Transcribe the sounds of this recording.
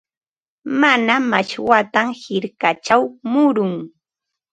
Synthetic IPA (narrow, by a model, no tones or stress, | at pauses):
manamaʃwat̪amhɪɾkat͡ʃawmʊɾʊŋ